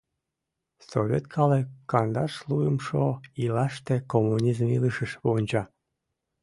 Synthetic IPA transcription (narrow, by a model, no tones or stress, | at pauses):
soβʲet̪kʰɑlekɑnd̪ɑʃluəmʃoilɑʃt̪ekomunʲizmiləʃəʃβonʲt͡ɕɑ